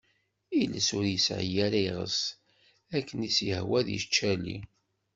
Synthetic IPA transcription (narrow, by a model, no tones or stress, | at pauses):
iləsʊɾjəsʕ̰jæɾæjʁə̰s | ækːənisjəhwæðjə̰ʃt͡ʃːælḭ